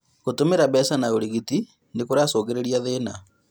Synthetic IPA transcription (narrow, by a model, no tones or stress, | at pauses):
kotomeɾabɛsanaoɾiɣiti | nekoɾasɔːɣeɾeɾiaðeːna